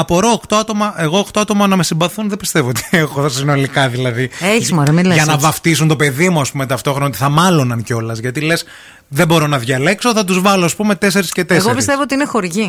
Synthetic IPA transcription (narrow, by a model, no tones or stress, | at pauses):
ɐpoɾoːkt̪oɐt̪o̞mɐʔe̞ɣoːkt̪o̞ɐt̪o̞mɐnɐme̞simbɐθunðebist̪e̞vo̞ot̪i̥exosino̞likɐðilɐðieçizmoɾemilʝɐnɐvɐft̪isunt̪o̞pe̞ðimuɐspumet̪ɐft̪o̞xɾonɐot̪i̥θɐmɐlonɐnceo̞lɐzʝɐt̪ile̞s | ðebo̞ɾo̞nɐðʝɐle̞kso̞θɐt̪uzvɐloɐspume̞t̪e̞se̞ɾisce̞t̪eesɣeoɾpisst̪e̞voot̪iinexo̞ɾʝi